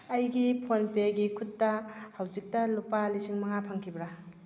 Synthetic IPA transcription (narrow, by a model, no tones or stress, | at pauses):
ɐjɡipʰonpeɡikʰutːɐhawzik̚tɐlupalisiŋmɐŋapʰaŋkʰibɾa